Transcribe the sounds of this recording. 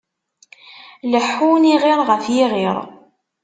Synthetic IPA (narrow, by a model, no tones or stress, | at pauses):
ləħːuniʁɪɾˤʁəfjiʁɪɾˤ